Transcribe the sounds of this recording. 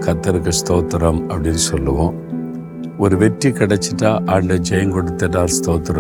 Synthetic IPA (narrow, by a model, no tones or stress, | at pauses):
kɐt̪ːɐɾɯkːɐst̪oːt̪ɐɾɐmɐpːɐɽinsɔlːɐʋõː | ɔɾɯʋɛʈːikɪɽɐt͡ʃːiʈːaːʔɐːɳɖɐd͡ʒɛjɐŋkɔɽɯt̪ːɐʈːaːɾst̪oːt̪ːɾɐ